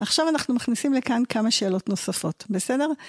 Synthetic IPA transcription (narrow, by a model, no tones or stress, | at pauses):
aχʃavanaχnumaχnisimlekankamaʃe̞ːlo̞tno̞safo̞tbesede̞ʁ